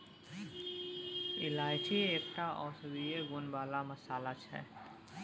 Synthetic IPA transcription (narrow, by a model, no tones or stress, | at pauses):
ɪlaːɪt͡ʃieːkʈaʔɔ̰ːɾsɐbieɡʊnbaːlamɐsaːlat͡ʃʰɛ̰ː